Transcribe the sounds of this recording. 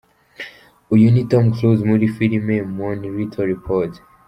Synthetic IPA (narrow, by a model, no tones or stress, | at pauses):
ujunitɔ̃mkʰlozmuɾifilimemɔ̃nɹitʰɔɹipʰɔt